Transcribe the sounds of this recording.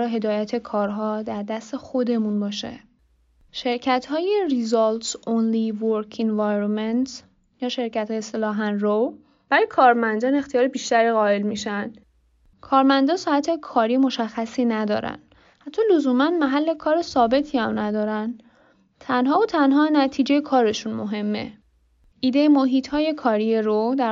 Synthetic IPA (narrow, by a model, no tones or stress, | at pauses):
ɒːɦe̞d̪ɒːjæt̪ʰe̞kʰɒːɾɦɒːd̪æɾd̪æst̪e̞xo̞d̪e̞munbɒːʃḛ | ʃe̞ɾcʰæt̪hɒːjerizɒlt̪sonlivoɾkʰinvɑjɾoment̪ | jɒːʃe̞ɾcʰæt̪hɒːjeselɒːɦænrow | b̥æɾɒːjekʰɒːɾmænd̪ɒːne̞xt̪ʰijɒːɾebiːʃt̪æɾiːɣɒːe̞lmiːʃæn | kʰɒːɾmænd̪ɒːsɒːhæt̪ʰekʰɒːɾijmo̞ʃæxːæsiːnæd̪ɒ̰ːɾæ̰n | hæt̪ʰːɒːlozuːmænmæɦælːe̞kʰɒːɾesɒːbe̞t̪ʰiːæmnæd̪ɒːɾæn | t̪ʰænɦɒːot̪ʰænɦɒːnæt̪ʰiːd͡ʒejekʰɒːɾe̞ʃunmo̞ɦe̞mːe̞̰ | iːd̪e̞jemoɦiːt̪ʰhɒːje̞kʰɒːɾieɾod̪æ